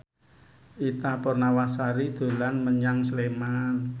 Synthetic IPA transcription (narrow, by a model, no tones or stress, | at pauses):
ʔit̪apɔrnawasaɾid̪̥o̤lanməɲaŋsleman